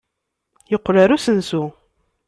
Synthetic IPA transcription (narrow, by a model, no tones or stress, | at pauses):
jəqːɾaɾusənsu